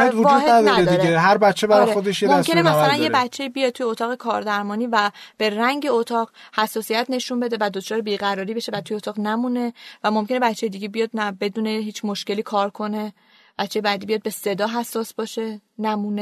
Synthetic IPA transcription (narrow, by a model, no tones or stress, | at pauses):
hed̪vovuːd̪henæd̪ɒnːdɾedd̪iːɾɡeɦæɾbætt͡ʃʰːebæɾɒjexod̪eʃjemoæskʰe̞nemæsælænjebætt͡ʃʰːe̞iːbijɒd̪̚t̪ʰujeot̪ʰɒːɣekʰɒːɾd̪æɾmɒːniːvæb̥e̞ræŋɟe̞ot̪ʰɒːʁ | hæsːɒːsijæt̪ʰne̞ʃunmbe̞d̪e̞væd̪ot͡ʃʰɒːɾebiːɣæɾɒːɾiːbe̞ʃevæt̪ʰujeot̪ʰɒːʁnæmuːne̞væmo̞mke̞nebæt̪t͡ʃʰːejed̪iɟebijɒːd̪̚næbe̞d̪uːneɦiːt͡ʃʰmo̞ʃce̞liːkʰɒːɾkʰo̞ne̞ | b̥æt̪t͡ʃːe̞jebæd̪iːbijɒːd̪̚be̞se̞d̪ɒːɦæsːɒːsbɒːʃenæmuːne